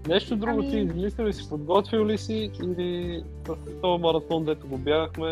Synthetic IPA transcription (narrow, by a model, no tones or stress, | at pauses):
nɛʃt̪od̪ɾuɡot̪iːzmislilisi̥pod̪ɡɔt̪viwlisiːli | sɐsɛt̪ɔɐmɐɾɐt̪ɔnd̪ɛt̪ʊɡobjaɡəxmɛ